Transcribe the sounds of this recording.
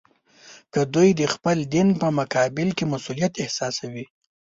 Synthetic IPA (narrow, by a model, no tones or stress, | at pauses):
kəd̪ujd̪əxpəld̪inpəmʊkɑbɪlkemasulijat̪ɪhsɑsawi